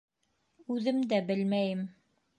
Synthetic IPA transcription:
ʉðɘmd̪æbɘlmæjɘm

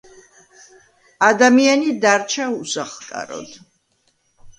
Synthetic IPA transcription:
ad̪amianid̪aɾt͡ʃʰausaχkʼa̰ɾɔ̰d̪̥

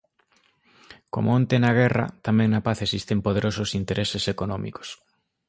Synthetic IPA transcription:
ko̰moont̪enaɣɛrɐ̰t̪amɛ̃ŋnɐpaθesist̪empoð̞eɾosʊsint̪eɾesesekonɔmḭko̥s

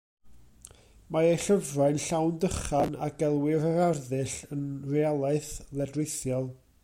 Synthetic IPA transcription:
maejɬəvraɨnɬawndəχanaɡɛlˠwɪɾəɾarðɨɬənrialˠaɨθlɛdrɪθjɔlˠ

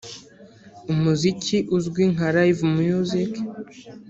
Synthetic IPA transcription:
umuzikʰiʔuzɡwiŋaɾaivumujuzik

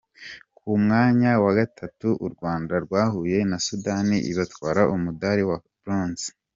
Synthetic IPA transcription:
kʰumŋaːɲawaɡatʰatuʔuɾɡwaːndaɾɡwaːhuje̞nasudaniʔḭβatkwaːɾaʔumudaːɾiwabɾoːnzi̥

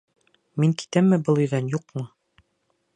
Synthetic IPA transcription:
miŋki̥t̪æmːɘbɤlˠɵ̆jðænjuq̚mɤ

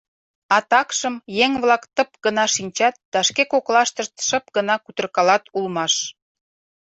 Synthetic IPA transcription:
ɑt̪ɑkʃəmjeŋβlɑkt̪əp̚ɡənɑʃinʲt͡ɕɑt̪̚d̪̥ɑʃkekoklɑʃt̪əʃt̪ʃəp̚ɡənɑkut̪ə̆rkɑlɑt̪ulmɑʃ

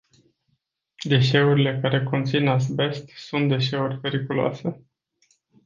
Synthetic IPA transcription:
d̪e̞ʃe̞uɾile̞kaɾe̞ko̞nt̪sinasbe̞st̪sunt̪̚d̪e̞ʃe̞urʲpe̞ɾikuloa̰se̞

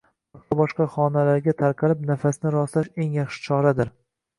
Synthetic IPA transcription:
at̪ʰabɒʃqɑχɒnalaɾɡʲat̪ʰaɾqʰɑlɪp̚nafasnɪɾɒslaʃe̞ŋjɑχʃɪ̥t͡ʃʰɒɾad̪ɪɾ

